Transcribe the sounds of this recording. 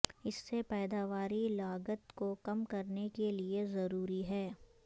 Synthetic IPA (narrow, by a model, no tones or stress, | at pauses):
ɪsːepɛːd̪aʋaːɾilaːɡət̪kokɐmkɐɾnekeliezɐɾuːɾiɦɛː